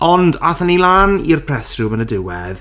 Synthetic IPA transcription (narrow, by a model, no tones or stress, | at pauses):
ɔndaθənilaːnirpʰr̥ɛsrʊmənədɪwɛð